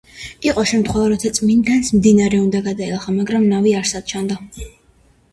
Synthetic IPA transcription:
iqʼɔʃɛmt̪ʰχwɛvaɾɔt̪sʰat̪sʼmind̪ansmd̪inaɾɛund̪aɡad̪aɛlˠaχamaɡɾamnaviaɾsad̪̥̚t͡ʃʰand̪a

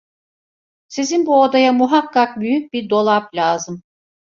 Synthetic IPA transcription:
sizinbuod̪ajamuɦakːak̚byjyc̚biɾd̪o̞lˠaplʲaːzɯm

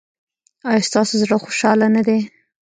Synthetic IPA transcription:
ɑjɑst̪ɑsozɽəxoʃɑlanad̪e

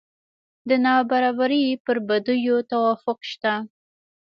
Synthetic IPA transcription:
d̪ənɑbaɾɑbaɾipəɾbad̪ujot̪awɑfʊqʃt̪a

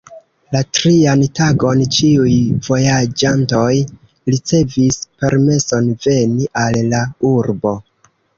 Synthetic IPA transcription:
latɾiantaɡo̞nt͡ʃiujv̥o̞jad͡ʒanto̞j | ɾit͡se̞vispe̞ɾme̞so̞nve̞niʔalːauɾbo̞

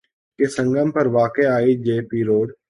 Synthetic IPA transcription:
kesə̃ŋɡəmpəɾʋaːkeaːid͡ʒeːpiːɾoːɖ

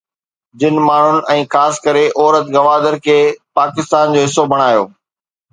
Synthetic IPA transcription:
d͡ʑɪnmaːɳ̤ʊnɪ̆ɛ̃ːxaːskɐɾeʔɔːɾət̪ɡɐʋaːd̪əɾkʰeːpaːkɪst̪aːnd͡ʑoːɦɪsːobʱɐɽ̃aːjo̰ː

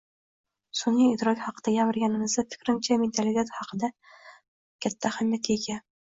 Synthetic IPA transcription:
sʊniɪd̪ɾɒkʲhɑqɨd̪̥ajʲavɪɾɡʲanɪmɪzd̪afɪ̥kʲɾɪnt͡ʃʰament̪ʰalit̪ʰet̪hɑqʰɨd̪a | kʲʰat̪ʰːahamjat̪jekʲa

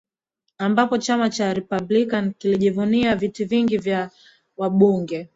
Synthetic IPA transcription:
ambapɔt͡ʃamat͡ʃaɾɛpablikankiliʄivuniavitiviŋɡivja | waɓuŋɡɛ

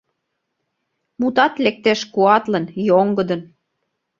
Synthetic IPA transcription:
mut̪ɑt̪lek̚t̪eʃkuɑt̪lə̆njoŋɡə̆d̪ə̆n

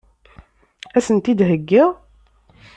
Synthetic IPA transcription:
æsənt̪id̪ɦəɡːɪʁ

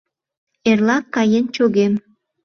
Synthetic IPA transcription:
erlɑkːɑjənt͡ɕoɣem

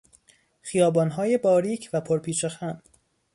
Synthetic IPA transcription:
xijɒːbɒːnɦɒːjebɒːɾiːcʰvæpʰoɾpʰiːt͡ʃʰexæm

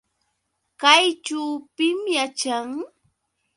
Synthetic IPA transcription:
kajt͡ʃuːpɪmjat͡ʃaŋ

